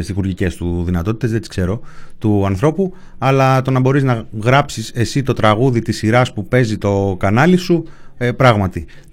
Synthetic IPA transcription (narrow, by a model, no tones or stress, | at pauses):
st̪isɣuɾʝice̞st̪uðinɐt̪o̞t̪i̥t̪ezðet̪i̥skse̞ɾo̞t̪uɐnθɾo̞pu | ɐlɐt̪o̞nɐbo̞ɾiznɐɣɾɐpsise̞sit̪o̞t̪ɾɐɣuðit̪isiɾɐspupe̞zit̪o̞kɐnɐlisuepɾɐɣmɐt̪i